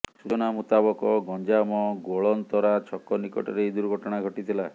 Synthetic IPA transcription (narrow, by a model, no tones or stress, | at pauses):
sut͡ʃɔnamut̪abɔkɔɡɔnd͡ʒamɔɡoɭɔnt̪ɔɾat͡ʃʰɔkːɔnikɔ̰ʈɔ̰ɾed̪uɾɡʱɔʈɔɽ̃aɡʱɔʈit̪ʰila